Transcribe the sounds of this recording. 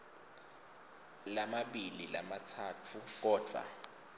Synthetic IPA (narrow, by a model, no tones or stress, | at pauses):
lamaɓilila̰matʰaːtʰuk̬ɔːd̥ʱwa̰